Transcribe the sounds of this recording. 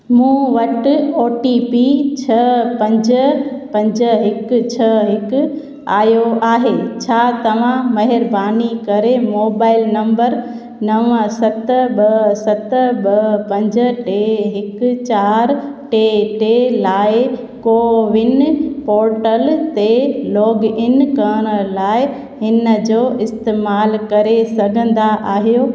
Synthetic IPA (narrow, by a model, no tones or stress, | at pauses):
mũːʋɐʈoːʈipit͡ɕʰɐpɐ̃ɲd͡ʑəpɐ̃ɲd͡ʑəɦɪkt͡ɕʰɐɦɪkʊ̆ | aːjoaːɦet͡ɕʰaːt̪ɐʋ̤ãmɐɦɪɾbaːnikɐɾemoːbaːɪlnɐ̃mbəɾ | nɐʋəsɐt̪ɓɐsɐt̪ɓɐpɐ̃ɲd͡ʑə̆ʈeɦɪkt͡ɕaːɾʈeʈelaːɪ | koːʋɪnpɔːɾʈəlt̪elɔːɡɪnkɐɽ̃ə̆laːɪ | hɪnə̆d͡ʑoːʔɪst̪eːmaːlkɐɾesɐɡʱə̃nd̪aʔaːɦijo